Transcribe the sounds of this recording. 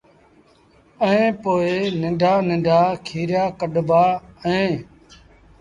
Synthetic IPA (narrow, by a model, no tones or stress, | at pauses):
əẽːpoːeːnɪɳɖʱaːnɪ̃ɳɖʱaːkʰiːɾjaːkəɗbaːəẽː